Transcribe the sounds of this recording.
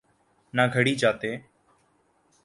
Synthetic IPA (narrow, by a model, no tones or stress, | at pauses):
naːɡʱəɽiːd͡ʒaːt̪eː